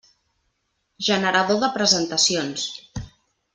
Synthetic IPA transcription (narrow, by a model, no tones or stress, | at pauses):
ʒənəɾəðoðəpɾəzənt̪əsions